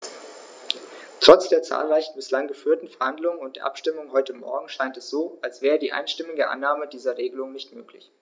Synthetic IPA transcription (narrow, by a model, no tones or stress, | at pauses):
tʁ̥ɔt͡sd̥eːɐt͡sa̰ːlʁaɪçn̩bɪslaŋɡəfyːɐtn̩fɛɐhandlʊŋənʊnt̚d̥eːɐʔa̰pʃtɪmʊŋɦɔʏtəmɔ̰ɐɡŋ̩ʃaɪntɛsz̥oːalsv̥ɛːʁədiːʔa̰ɪnʃtɪmɪɡəʔa̰nːaːmədiːzɐʁeːɡəlʊŋnɪçtmøːklɪ̰ç